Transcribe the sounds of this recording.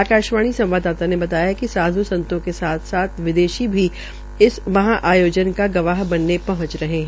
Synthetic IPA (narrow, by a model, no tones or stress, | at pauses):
aːkaːʃʋaːɽ̃isɐ̃mʋaːd̪aːt̪anebɐt̪aːjakisaːd̪ʱusɐ̃nt̪õkesaːt̪ʰsaːt̪ʰʋɪd̪eːʃibʱi | ɪsmɐɦãʔaːjoːd͡ʒənkaɡɐʋaːɦbɐnːepɐɦʊ̃t͡ʃɾɐɦeɦɛ̃